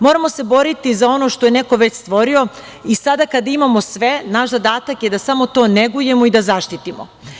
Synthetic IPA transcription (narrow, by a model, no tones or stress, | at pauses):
mo̞ːɾamo̞se̞bo̞ɾit̪izao̞no̞ʃt̪ojene̞ko̞ʋe̞t͡ɕst̪ʋo̞ɾio̞ | isad̪akad̪aimamo̞sʋe̞naʃzad̪aːt̪akjed̪asamo̞t̪o̞neɡuje̞mo̞id̪azaʃt̪it̪imo̰